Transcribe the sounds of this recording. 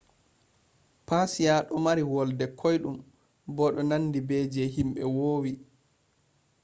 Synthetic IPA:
pasijaɗɔmaɾiwɔldɛkʰɔjɗum | bɔɗɔnanːdibɛːd͡ʒɛɦimɓɛwoːwi

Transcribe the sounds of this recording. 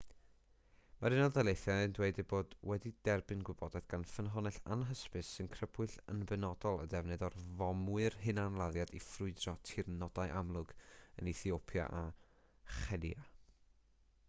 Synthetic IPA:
maɾɪnɔðalˠejθjandweɨdɨboːdwɛdid̥ɛrbɨnɡwɨbɔdɛd̥ɡ̥anfənɦɔnɨɬa̰nɦəspɨsːɨnkʰrəbɨɬənbɛnɔd̥ɔlˠə̰dɛvnɨðɔrvɔmwɨrɦɨnanlˠaðjadifrʊɨdrɔtʰɪrnɔd̥ajʔamlˠʊɡə̰niθiopʰja̰ʔa | χɛdia

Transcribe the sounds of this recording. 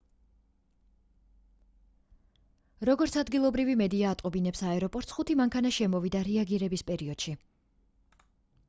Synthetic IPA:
ɾɔɡɔɾt̪sʰad̪ɡilˠɔbɾivimɛd̪iaːt̪ʼqʼɔbinɛpsaɛɾɔpʼɔɾt̪sχut̪ʰimaŋkʰanaʃɛmɔvid̪aɾɛaɡiɾɛbispʼɛɾiɔd̪̥ʃi

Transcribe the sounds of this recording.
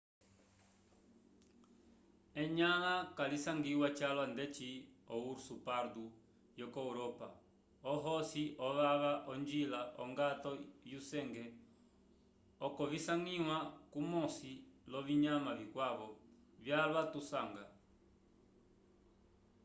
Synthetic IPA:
ɛɲalakalisaŋɡiwat͡ʃalwandɛt͡ʃiɔuɾsupaɾdu | jɔkɔuɾɔpa̰ | ɔɦɔsiʔɔβaβaʔɔnd͡ʒilaʔɔŋɡat̪ɔjusɛŋɡɛ | ɔkɔvisaŋiwakumɔsilɔβiɲamavikwaβɔ | vjalwat̪usaŋɡa

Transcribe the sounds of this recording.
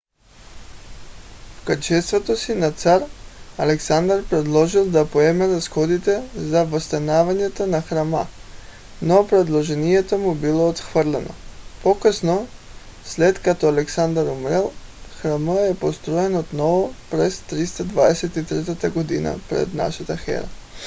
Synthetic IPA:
fkəɾt͡ʃɛst̪vot̪osinat̪saɾalɛksand̪aɾpɾɛd̪lˠɔʒilˠd̪apoɛmɛɾasxɔd̪it̪ɛzavost̪anavaɲɛt̪onaxɾama̰ | nopɾɛd̪lˠoʒɛniɛt̪omubilˠoːt̪xvəɾlɛno̰pokəsno | slɛt̪kat̪ɔalɛksand̪aɾumɾɛlˠxɾaməɛpost̪ɾɔɛnot̪nɔvopɾɛst̪ɾist̪ad̪vaɛsɛt̪it̪ɾɛt̪at̪aɡod̪ina̰pɾɛ̰d̪na̰ʃat̪axɛ̰ɾa̰

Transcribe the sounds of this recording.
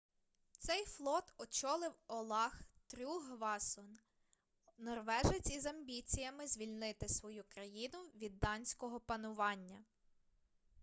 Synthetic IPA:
t̪sɛjflˠɔt̪ɔt͡ʃɔlˠɪwɔlˠɑxt̪ɾʲuɦʋɑsɔn | nɔrʋɛʒet͡sʲizɐmbʲit͡sʲijɐmɪzʲʋʲilʲnɪt̪ɪsʋɔjukɾɐjinʊʋʲid̪ːɑnʲsʲkɔɦɔpɐnʊʋɑnʲːɐ

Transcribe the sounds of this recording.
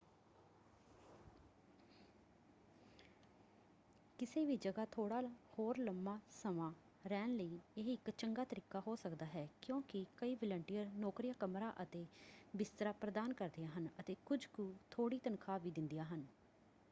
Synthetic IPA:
kɪseːʋiːd͡ʒəɡaːt̪ʰoːɽaːhoːɾləmːaːsəmãː | ɾɛːnləiːeɦɪkt͡ʃəŋɡaːt̪əɾiːkaːɦoːsəkd̪aːɦɛːkjõːkɪkəiːʋələɳʈijəɾnɔːkɾɪjãːkəmɾaːʔət̪eːbɪst̪əɾaːpɾəd̪aːnkəɾd̪ɪjaːɦənət̪eːkʊd͡ʒkuːt̪ʰoːɽiːt̪ənkʰaːʋiːd̪ɪnd̪ɪjaːɦən

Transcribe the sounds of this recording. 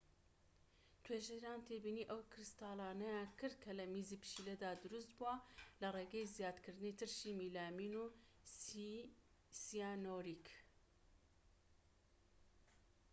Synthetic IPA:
t̪ʰweːʒeɾaːnt̪ʰebiːniːʔɐwkʰɾɨst̪aːlɑːnɐjaːnkʰɨɾd̪̚kʰɐlɐmizipɨ̥ʃiːled̪aːd̪uɾust̪̚buwalɐreːɡɛjzjaːd̪kʰɨɾd̪ɨnit̪ʰɨɾʃiːmiːlaːminu | sijanoɾik

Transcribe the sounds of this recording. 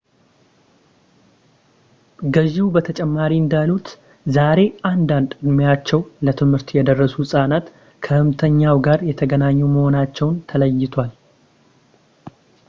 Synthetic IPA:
ɡəʒɪwubət̪ʰət͡ʃʼɛmːaɾiɨnd̪alut̪ | zaɾe̞and̪and̪ɨd̪mjat͡ʃːɛwlət̪ʰɨmhɨɾt̪jɛd̪ərːəsusʼanat̪ | kʰəhɨmt̪ʰəɲːawɡaɾjɛt̪ʰəɡənaɲːuməho̞nat͡ʃːɛwnt̪ʰələjːɪt̪ʰʷal

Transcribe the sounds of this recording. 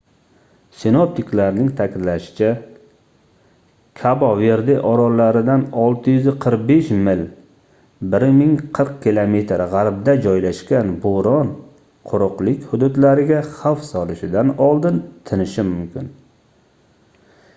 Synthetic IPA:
sɪnop̚t̪ʰɪklaɾnɪŋt̪ʰakʲʰɪd̪laʃɪ̥t͡ʃʰa | kʲʰabɒveɾd̪ɪʔɒɾɒlːaɾɪd̪anɒlˠt̪ʰɪjʏzɪqʰɨɾq̚beʃmɪl | bɪɾmɪŋqʰɨɾq̚kʲɪlˠomet̪ʰɾʁaɾbd̪ad͡ʒɒjlaʃkʲanboɾɒn | qʰʊɾʊqlɪkʲhʊd̪ud̪laɾɪɡʲaχawfsɒlɪʃɪd̪anɒlˠd̪ɪnt̪ʰɪnɪʃɪmʊmkʲʰɪn

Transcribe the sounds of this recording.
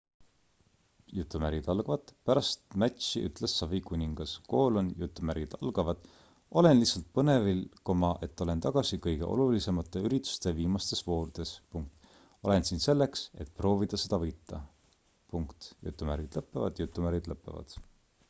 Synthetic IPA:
jut̪ːˑumæɾid̪̥ɑlɡ̥ɑvɑd̪̥pæɾɑst̪mæt̪ʲɕiʔy̰t̪ːˑlesːɑvikunʲiŋɡ̥ɑsko̞ːlonjut̪ːˑumæɾid̪̥ɑ̰lɡ̥ɑvɑd̪̥ | o̞le̞nlisɑlt̪̚pɤne̞vilkomɑʔe̞t̪ːˑo̞le̞nt̪ɑɡ̥ɑsikɤjɡ̥e̞ʔo̞̰lulise̞mɑt̪ːˑe̞yɾit̪ːˑu̥st̪e̞viːmɑst̪e̞svo̞ːɾd̪̥e̞spuŋk̚t̪ | o̞le̞nsinse̞lːe̞kse̞̰t̪̚pro̞ːvid̪̥ɑse̞d̪̥ɑvɤjt̪ːˑɑ | puŋkt̪jṵt̪ːˑumæɾid̪̥lɤpːˑevɑ̰d̪̥jut̪ːˑumæɾid̪̥lɤpːˑe̞vɑ̰d̪̥

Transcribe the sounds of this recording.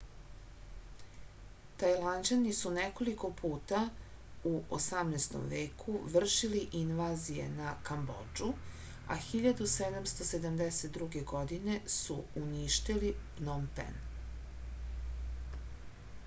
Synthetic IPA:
t̪ajland͡ʑanisuneko̞liko̞pʰuːt̪auʔo̰samnest̪o̰mʋeːkʰuʋr̩ʃiliʔinʋaːzije̞̰nakambo̰d͡ʒu | a̰xiʎad̪used̪amst̪o̞se̞d̪amd̪eset̪̚d̪ɾuɡeɡo̞d̪ine̞suuniʃt̪ilipnompḛn

